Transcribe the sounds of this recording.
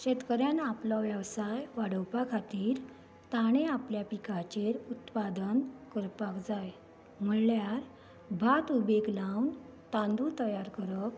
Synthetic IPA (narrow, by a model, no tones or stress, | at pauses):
ɕet̪kəɾjanaplɔʋjəʋsajʋaɽəwpakʰat̪iːɾ | t̪aɽ̃eapljapikʰat͡ɕeɾut̪pad̪ənkəɾpakd͡zaj | m̤əɽljaɾ | bʱat̪ubeɡlawn | t̪ãnd̪ut̪əjaɾkəɾək̚